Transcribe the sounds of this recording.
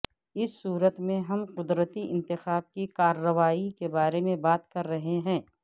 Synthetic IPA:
ɪsːuːɾət̪mẽɦɐmqʊd̪ɾət̪iʔɪ̃nt̪ɪxaːb̚kikaːɾːəʋaːikebaːɾemẽbaːt̪kɐɾːɐɦeɦɛ̃ː

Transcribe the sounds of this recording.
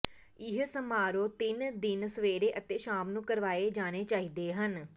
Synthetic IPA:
ɪɦsəmaːɾoːt̪ɪnd̪ɪnsəʋeːɾeːʔət̪eːʃaːmnũːkəɾʋaːeːd͡ʒaːneːt͡ʃaːid̪eːɦən

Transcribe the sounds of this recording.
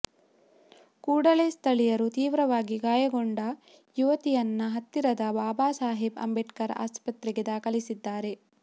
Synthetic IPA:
kuːɽɐlest̪ʰɐɭijɐɾut̪iːʋɾɐʋaːɡiɡaːjɐɡoɳɖɐ | juʋɐt̪ijɐnːɐɦɐt̪ːiɾɐd̪ɐbaːbaːsaːɦibɐ̰mbɛʈkɐɾɐ̰ʔa̰ːspɐt̪ɾɛɡed̪aːkɐlisid̪ːaːɾe̞

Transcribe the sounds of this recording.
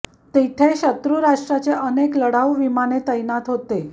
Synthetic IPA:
t̪et̪ʰeɕət̪ɾuɾaʂʈɾat͡seʔənekləɽaʋʋimanet̪əjnat̪ɦot̪e

